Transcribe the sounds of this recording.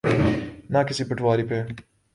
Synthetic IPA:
nɐkɪsipɐʈwaːɾipe

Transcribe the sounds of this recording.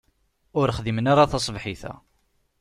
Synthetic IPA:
ʊɾχðimənaɾaθɑsˤvħiθæ̰

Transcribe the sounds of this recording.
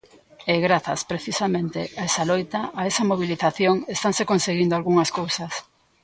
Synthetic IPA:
eɣɾaθɐ̰spɾeθisamẽnt̪ḛaesalojt̪ɐʔːesɐmoβ̞iliθaθjoŋest̪aŋsekonseɣind̪oalɣuŋɐskowsɐs

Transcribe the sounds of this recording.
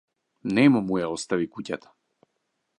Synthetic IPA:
nɛmumujaɔst̪avikucat̪ʰḁ

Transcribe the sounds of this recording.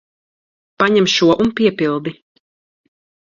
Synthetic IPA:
paɲɛmʃuɔʔunpiɛpilˠd̪i

